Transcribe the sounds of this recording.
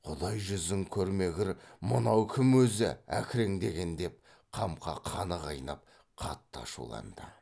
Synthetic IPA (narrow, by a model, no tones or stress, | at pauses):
qʰod̪ɑjʒʏzɪŋkʲʰɵɾme̞ɡʲɪɾmənɑwkʲʰɪmwɵzɪ̰æ̰kʲʰɪɾeŋd̪e̞ɡʲe̞nd̪e̞p̚ | qʰɑmqʰɑ̰qʰɑnəʁɑjnɑp̚ | qʰɑt̪ːɑ̰ʃṵlˠɑ̰nd̪ə